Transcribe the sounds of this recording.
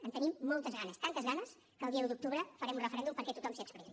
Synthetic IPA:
ənt̪ənimːɔlˠt̪əzɣanəst̪ant̪əzɣanəs | kəːlˠdiəud̪uk̚t̪uβɾəfəɾɛmunrəfəɾɛnd̪umpəɾkɛt̪ut̪ɔmsiəkspəɾiɛn

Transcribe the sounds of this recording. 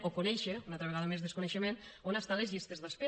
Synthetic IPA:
okonɛʃeunat̪ɾəβ̞eɣaðəmezðeskuneʃəmenonast̪alezʎist̪ezðaspe

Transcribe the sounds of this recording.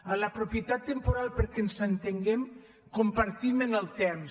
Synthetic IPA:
ələpɾopjət̪at̪ːəmpuɾalˠpəɾkenzənt̪eŋɡɛm | kumpəɾt̪imənəlˠt̪ɛm

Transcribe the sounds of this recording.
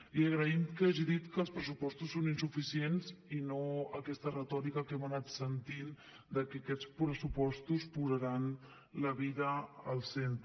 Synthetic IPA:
iəɣɾəimt̪kəaʒiðit̪kəlˠspɾəsupɔst̪usːoninsufisienzinoəkɛst̪ərət̪ɔɾikəkɛmənat̪sənt̪in | d̪əkɛkɛt͡spɾəsupɔst̪uspuzəɾan | ləβiðəəlˠsent̪

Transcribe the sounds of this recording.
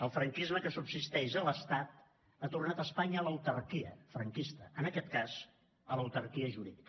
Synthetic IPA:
əlˠfɾəŋkizməkəsubsist̪ɛʃələst̪at̪ | at̪urnat̪əspaɲəələwt̪ərkiə̰fɾəŋkist̪əənəkɛt̪kaz | ələwt̪əɾkiəʒuɾiðikə

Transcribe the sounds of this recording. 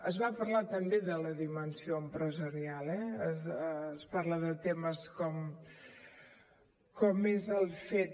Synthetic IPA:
əzβapəɾlat̪əmbeðələðimənsioəmpɾəzəɾialɛəsspaɾləðət̪eməskɔm | kɔmezəlˠfet̪̚

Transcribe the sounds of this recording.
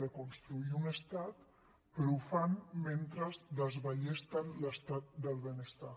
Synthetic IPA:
əkunst̪ɾuiunəst̪at̪ | pɾuufanment̪ɾəzd̪əzβəʎest̪ələst̪at̪̚d̪əlˠβənəst̪a

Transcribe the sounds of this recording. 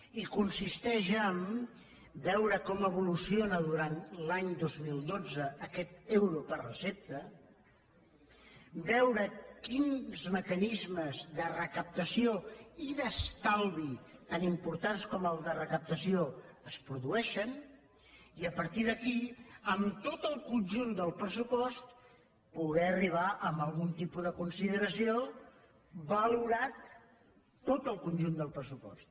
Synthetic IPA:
ikunsist̪ɛʒəm | bɛwɾəkɔməβ̞ulusionəðuɾant̪laɲd̪ozmilˠd̪od͡zəːkɛt̪̚ewɾupərrəsep̚t̪ə | bɛwɾəkinzməkənizməzðərəkəp̚t̪əsioiðəst̪alˠβit̪animpuɾt̪anskɔməlˠzdðərəkəp̚t̪əsioəspɾuðuɛʃən | iəpəɾt̪iðəkiəmt̪ot̪əlˠkunʲʒund̪əlˠpɾəsupɔst̪ | puɣɛəriβ̞aʔəmbəlˠɣunt̪ipuðəkunsiðəɾəsio | bəluɾat̪ː | ot̪əlˠkunʲʒund̪əlˠpɾəsupɔ̰st̪

